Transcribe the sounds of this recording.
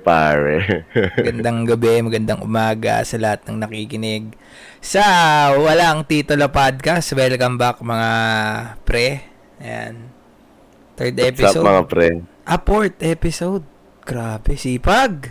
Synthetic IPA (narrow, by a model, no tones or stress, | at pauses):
pa̰ːɹɛmɡɐnd̪aŋɡɐbɛmɐɡɐnd̪aŋʔʊ̰maːɡɐ̰sɐlɐhat̪̚nɐŋnɐkikɪnɪɡ̚ | sɐwɐlaʔɐŋt̪iːt̪olopad̪̚kɐsbɛlkɐmbɐk̚mɐŋa | pɾɛ | ɐja̰n | t̪ɛɹd̪ʔɛpɪsomɐŋapɾɛ | ʔɐpoɹt̪ʔɛpɪsowd̪̚ | ɡ̥ɾaːbɛsiːpɐɡ̚